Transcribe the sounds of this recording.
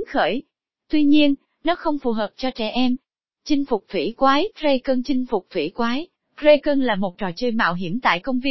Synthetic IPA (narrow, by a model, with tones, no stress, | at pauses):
xəː˧˩j | t̪wi˧ɲi˧ən | nɔ˨˦xə˧wŋ͡mfu˨˩ɦəː˨˩p̚t͡ɕɔ˧t͡ɕɛ̰˧˩ʔɛ˧m | t͡ɕï˧ŋ̟fʊ˨˩k͡p̚t̪ʰwḭ˧˩kwaː˨˦jze˧jkəː˧nt͡ɕï˧ŋ̟fʊ˨˩k͡p̚t̪ʰwḭ˧˥kwaː˨˦j | kze˧jkəː˧nlaː˨˩mo˨˩t̚t͡ɕɔ˨˩t͡ɕəː˧˩jma̰ː˧˨wɦi˧˩əmt̪a̰ː˧˨jkə˧wŋ͡mvi˧